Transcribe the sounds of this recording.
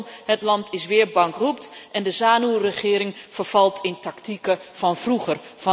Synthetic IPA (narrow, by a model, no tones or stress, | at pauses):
nhətlɑntʰɪsʋɪːərbɑŋkrup̚tʔɛndəzaːnurəχɪːɾɪŋfərv̥ɑlˠtʰɪntɑktikəv̥ɑnvruχərfɑ